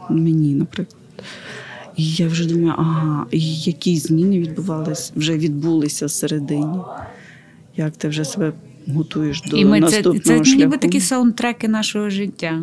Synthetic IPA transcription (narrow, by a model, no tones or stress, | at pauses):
menʲinɐpɾɪklˠɐd̪̥ | ijawʒɛd̪umɐjʊ̰ʔɐɦɑijɐkʲizʲmʲinɪʋʲid̪̚bʊʋɑlˠɪsʲwʒɛʋʲid̪̚bulˠɪsʲɐseɾed̪ɪnʲi | jɐkt̪ɪwʒɛsebɛ | ɦɔt̪ujeʃd̪ɔimɪnɐst̪upnnɛɔʃlʲabɪt̪ɐkʲisɐnt̪ɾɛkɪnɑʃɔɦɔʒɪtʲːa